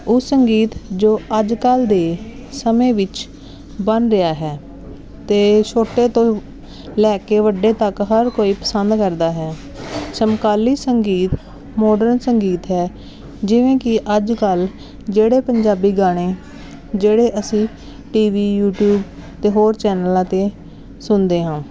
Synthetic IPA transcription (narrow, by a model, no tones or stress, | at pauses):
ʊssəŋɡiːt̪d͡ʒoːəd͡ʒkəld̪eː | səmẽːʋɪt͡ʃ | bənɾɪaːɦɛː | t̪eːʃoːʈːeːt̪õː | lɛːkeːʋəɖeːt̪əkɦəɾkoːiːpəsənd̪kəɾd̪aːɦɛː | səmkaːliːsəŋɡiːt̪ | mɔːɖəɾnsəŋɡiːt̪ɦɛː | d͡ʒɪʋẽːkɪʔəd͡ʒkəl | d͡ʒeːɽeːpəɲd͡ʒaːbiːɡaːɽ̃eː | d͡ʒeːɽeːʔəsĩː | ʈiːʋiːjuːʈjuːbt̪eːɦoːɾt͡ʃɛːnəlãːt̪eː | sʊnd̪eːɦãː